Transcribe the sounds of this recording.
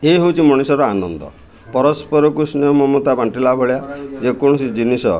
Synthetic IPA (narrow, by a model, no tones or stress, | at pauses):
eɦewt͡ʃʰimɔɽ̃isɔɾɔanɔnd̪ɔ̰ | pɔɾɔspɔɾɔkusnejɔmɔmot̪abaɳʈilabɔɭjad͡ʒekɔɽ̃ɔsid͡ʒinisɔ